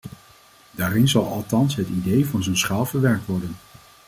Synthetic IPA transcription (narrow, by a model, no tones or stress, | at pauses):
d̥aːrɪnzɑlˠɑlˠtɑnsɦətidejvʊːnzənsχaːlˠvəɹʋɛɹk̚tʋɔɹdən